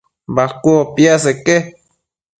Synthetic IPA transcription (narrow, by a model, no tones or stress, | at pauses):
bakʷopjas̬eke